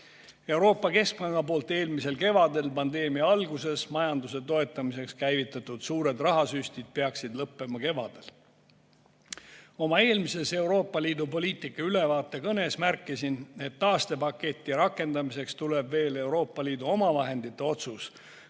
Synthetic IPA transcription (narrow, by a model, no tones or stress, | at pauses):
e̞wɾo̞ːpːˑɑke̞sk̚pɑŋɡ̥ɑpo̞ːlt̪ːˑe̞ːlmise̞lke̞vɑd̪e̞lpɑnd̪e̞ːmiɑɑlɡuse̞smɑjɑnd̪use̞t̪o̞e̞t̪ːˑɑmise̞kskæjvit̪ːˑɑt̪ːˑud̪̥suːɾe̞d̪rɑɦɑsysʲt̪id̪̥̚pe̞ɑksid̪lɤpːe̞mɑke̞vɑd̪̥e̞l | o̞mɑe̞ːlmise̞se̞wɾo̞ːpːˑɑliːd̪upo̞lʲiːt̪ˑikːˑɑyle̞vɑːt̪ˑːe̞kɤne̞smærkːˑisine̞t̪ːɑːst̪e̞pɑkːe̞t̪ʲːˑiɾɑkːˑe̞nd̪ɑmise̞kst̪ulebve̞ːle̞wɾo̞ːpːˑɑliːd̪̥uo̞mɑvɑɦe̞nd̪̥it̪ːˑe̞o̞t̪sus